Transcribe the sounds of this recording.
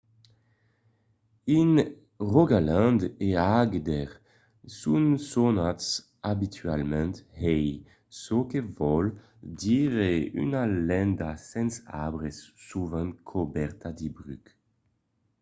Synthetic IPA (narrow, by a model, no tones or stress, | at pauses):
in | ʁoɡalãnd̪eaɡd̪ɛʁ | sunsɔnat̪s | abit̪ʰyalmɛ̃nt̪hɛj | sokevɔl | d̪iʁey̰nalɛ̃nd̪asɛ̃nsa̰bʁɛsːuvãnkʰɔbɛʁt̪ad̪ibʁyk